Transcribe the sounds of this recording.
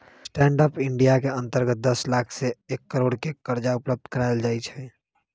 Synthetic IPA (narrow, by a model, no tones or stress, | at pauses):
sʈɛ̃ːɳɖəpɪ̃ɳɖijakeə̃nt̪əɾɡət̪̚d̪əslaːkʰseːkːəɾoːɽkekkəɾd͡ʒaʊpləb̚d̪ʱkəɾaːɪld͡ʒaːɪt͡ʃʰɛ